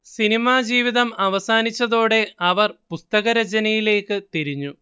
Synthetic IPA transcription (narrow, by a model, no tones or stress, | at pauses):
sinimaːd͡ʑiːʋiðɐmɐʋɐsaːnit͡ɕːɐðo̞ːɽe̞ɐʋɐrpust̪ɐɣɐɾɐt͡ɕɐnɐjile̞ːkːɨt̪iɾiɲːu